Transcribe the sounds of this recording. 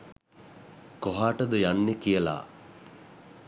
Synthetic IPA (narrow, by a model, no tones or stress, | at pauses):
koɦaːʈəd̪əjanːekijəla̰ː